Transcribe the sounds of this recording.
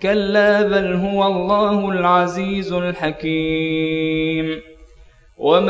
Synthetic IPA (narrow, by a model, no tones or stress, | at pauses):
kalːaːbanɦʊwalˤːɑːhʊlʕaziːzlħakiː | m | wam